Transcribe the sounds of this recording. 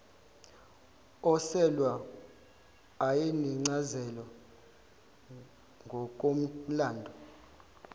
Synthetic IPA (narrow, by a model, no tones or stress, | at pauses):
ɔsɛlwa | ajiniŋ͡ǀazɛlɔ | ŋɡʱɔk̬ʼom̩laːndʱɔ